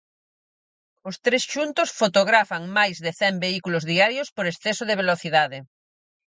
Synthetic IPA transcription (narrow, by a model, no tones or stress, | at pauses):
ʊst̪ɾesʃunt̪osfot̪oɣɾafaŋmajzðeθɛmbeikulozðiaɾjospoɾesθɛsoðeβ̞eloθiðaðɪ